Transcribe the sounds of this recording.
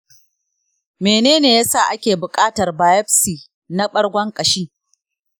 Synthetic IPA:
meː˨neː˦neː˨ja˦saː˦˨ʔa˦kʲeː˨bʊ˨kʼaː˦tɐ˨rbaː˨jɛ˦ɸsiː˨ | na˦ɓɐ˦ɽɡʷɐ˦ŋkʼɐ˨ʃiː˦

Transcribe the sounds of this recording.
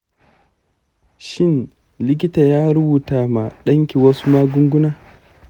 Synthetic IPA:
ʃɪ˦˨n | lɪ˦k̬ʲɪ˦taː˨jaː˦ɾʊ˦buː˨taː˨ma˨ɗɐ˦ŋkʲi˨wɐ˦su˦maː˦ɡʷʊ˦ŋɡʷʊ˦naː˦

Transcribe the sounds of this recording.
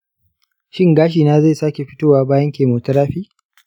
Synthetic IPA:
ʃɪ˦ŋɡaː˦ʃ̬iː˨naː˦ze˦˨saː˦kʲe˨ɸɪ̥˦toː˦waː˦˨baː˦jɐ˦ŋkʲeː˨moː˨tɐ˦ɾaː˦ɸiː˦

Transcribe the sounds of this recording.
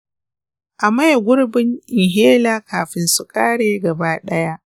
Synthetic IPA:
ʔa˨ma˦jɡʷʊ˦ɽbɪ˦ŋʔɪ˨ŋɦeː˦laː˦kʰaː˨ɸɪ˨nsʊ˦kʼaː˦ɽeː˦ɡɐ˨baː˦ɗɐ˦ja˦ʔ

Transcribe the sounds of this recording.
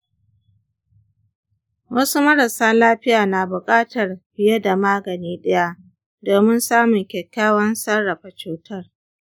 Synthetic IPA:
wɐ˦su˦mɐ˦ɽɐ˨saː˦laː˦ɸɪ˦jaː˨naː˨bʊ˨kʼaː˦tɐ˨rbɪ˨ja˦da˨maː˦ɡɐ˨niː˦ɗɐ˦ja˦ʔ | doː˨mɪ˦nsaː˦mʊ˨ŋkʲɛ˨kʲːaː˦wɐ˦nsɐ˦ɽːɐ˨ɸa˨t͡ʃuː˦tʰɐ˦r

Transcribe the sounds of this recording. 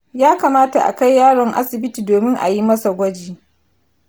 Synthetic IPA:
jaː˦kaː˨maː˦ta˨ʔa̰˨ka˦jːaː˦ɽɔ˨ŋʔa̰˦sɪ˨bɪ˦tiː˨doː˨mɪ˦ŋʔa̰˨ji˦mɐ˦sa˨ɡʷɐ˦d͡ʒiː˨

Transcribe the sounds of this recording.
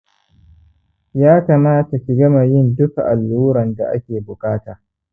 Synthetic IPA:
jaː˦kaː˨maː˦ta˨kʲi˨ɡɐ˦ma˨jɪ˦ndʊ˦kʔa̰˨lːuː˦ɾɐ˨nda̰˨ʔa̰˦kʲeː˨bʊ˨kʼaː˦taː˨

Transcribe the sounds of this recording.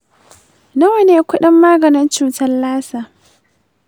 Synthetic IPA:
nɐ˦wɐ˨neː˦kʷʊ˦ɗɪ˦mːaː˦ɡɐ˨nɪ˦nt͡ʃuː˨tɐ˦nlaː˦saː˨

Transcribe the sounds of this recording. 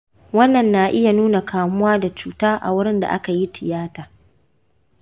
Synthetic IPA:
wɐ˦nːɐ˨nːa˨ʔɪ˦ja˨nuː˦na˨kaː˨mʊ˦waː˦da˨t͡ʃuː˨taː˦ʔa̰˨wʊ˦ɽɪ˦nda̰˨ʔa̰˦ka˨ji˦tʰɪ˨jaː˦taː˨

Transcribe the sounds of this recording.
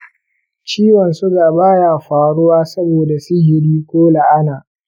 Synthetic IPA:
t͡ʃiː˦wɔ˨nsʊ˦ɡaː˨baː˦jaː˨ɸaː˨ɽʊ˦waː˦sɐ˦boː˨da˨sʊ˦ɦɪ˨ɽiː˦kʷoː˦la˨ʔa˦naː˨

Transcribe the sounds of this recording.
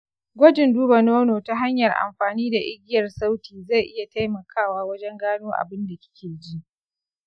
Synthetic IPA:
ɡʷɔ˦d͡ʒɪ˨nduː˦bɐ˨noː˦noː˨ta˦ɦa˦ɲjɐ˨rʔa̰˨mɸaː˨niː˦da˨ʔɪ˦ɡʲɪ˦jɐ˨rsa˦wtiː˨za˦˨jʔɪ˦ja˨ta˦jmɐ˨kʰaː˦˨waː˦wɐ˦d͡ʒɛ˦ŋɡaː˦noː˦ʔa̰˨bɪ˦nda˨kʲɪ̥˦kʲeː˨d͡ʒi˦ʔ

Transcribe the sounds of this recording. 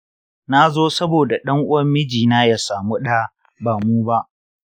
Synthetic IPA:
na˦zoː˦sɐ˦boː˨da˨ɗɐ˦ŋʔʊ˦wɐ˦mːɪ˦d͡ʒiː˨naː˦ja˨saː˨mu˦ɗa˦ | baː˨muː˦ba˦ʔ

